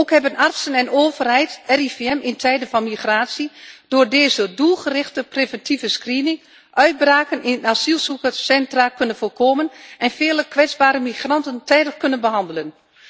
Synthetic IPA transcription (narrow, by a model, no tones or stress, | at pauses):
okhɛbənartsənɛnoːvərhɛjtɛrifeɛmɪntʰɛjdənfɑnmixraːsid̥oːrdeːzədulˠxərɪxtəprevɛntʰivəskriːnɪŋ | ʔœɥd̚braːkənɪnətasilˠsukəsɛntrakønənfoːrkoːmənɛnfɪːləkʋɛd͡zbaːɾəmixrɑntəntɛjdəxkønənbəhɑndələn